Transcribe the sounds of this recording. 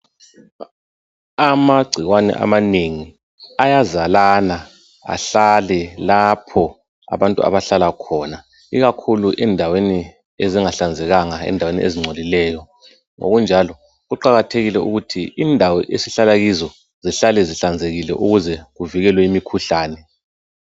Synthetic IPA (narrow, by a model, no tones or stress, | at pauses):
amaɡ͡ǀʱiɣwanɛ̰ʔa̰maneŋi | ajazalana | a̰ɬalɛlapʰɔ | a̰βantʼṵa̰βaɬalakʰɔːna | iɣakʰuluʔɛndʱaweni | eziŋaɬand͡zʱɛɣaŋaɛ̰ndʱawenḭʔeziŋ͡ǀʱolilɛːjɔ | ŋo̰ɣund͡ʒʱalɔ | ɣuǃaɣatʰeɣilɛuɣutʰiindʱawɔʔesiɬalaɣizɔ | ziɬalɛziɬand͡zʱeɣilɛ̰ʔuɣuzɛɣuviɣɛlwɛimikʰuɬaːnɛ